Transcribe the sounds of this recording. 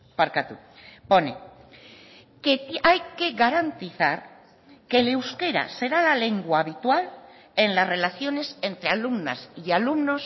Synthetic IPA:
paɾkat̪u | ponḛ | keajke̞ɣaɾant̪iθa̰ɾ | ke̞lewske̞ɾa̰se̞ɾalale̞ŋɡwaːβit̪wal | enlasre̞laθjo̞ne̞se̞nt̪ɾe̞alumna̰sialumno̞s

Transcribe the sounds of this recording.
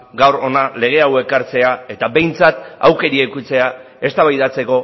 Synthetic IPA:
ɡawɾo̞nale̞ɣ̞e̞awe̞kaɾt͡se̞ae̞t̪abe̞jnt͡sat̪awke̞ɾiekut͡se̞a | e̞st̪aβajðat͡se̞ko̞

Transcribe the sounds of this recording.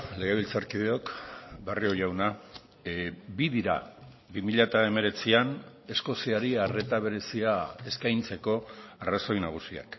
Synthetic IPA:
le̞ɣeβilt͡saɾkið̞e̞o̞kbario̞ʝawna | biðiɾa̰ | bimiʎat̪ae̞me̞ɾe̞t͡sian | e̞sko̞siaɾiare̞t̪aβ̞e̞ɾe̞siae̞skajnt͡se̞ko̞araso̞jnaɣ̞usia̰k

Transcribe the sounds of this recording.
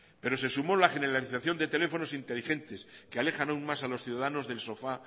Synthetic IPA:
pe̞ɾo̞se̞sumo̞laχe̞neɾaliθaθjo̞nd̪e̞t̪e̞le̞fo̞no̞sint̪e̞lixe̞nt̪e̞skeale̞xanaunmasalo̞sθjuðaðano̞zðe̞lso̞fa

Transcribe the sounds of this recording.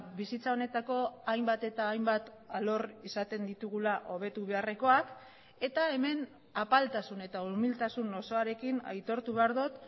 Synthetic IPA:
bisit͡sao̞ne̞t̪ako̞ajmbat̪e̞t̪aːjmbat̪ | alo̞risat̪e̞nd̪it̪uɣ̞ulaʔo̞β̞e̞t̪uβe̞are̞ko̞ak | e̞t̪ae̞me̞n | apalt̪asune̞t̪aumilt̪asunoso̞aɾe̞kina̰jt̪o̞ɾt̪uβ̞e̞aɾðut̪

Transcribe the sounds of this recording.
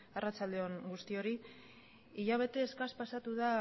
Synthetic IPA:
arat͡sald̪eo̞ŋɡust̪io̞ɾi | iʎaβ̞e̞t̪e̞ːskaspasat̪uð̞a

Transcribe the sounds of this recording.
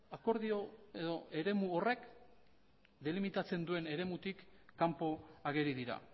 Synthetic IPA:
ako̞ɾð̞io̞e̞ðo̞e̞ɾe̞muore̞k | d̪e̞limit̪at͡se̞nd̪ue̞ne̞ɾe̞mut̪ikːampo̞aɣe̞ɾiðiɾa̰

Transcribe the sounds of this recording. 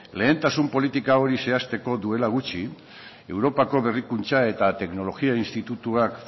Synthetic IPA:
le̞ːnt̪asumpo̞lit̪ikao̞ɾise̞ast̪e̞ko̞ðue̞laɣ̞ut͡ʃi | e̞wɾo̞pako̞βe̞rikunt͡sae̞t̪at̪e̞kno̞lo̞ɣiainst̪it̪ut̪uak

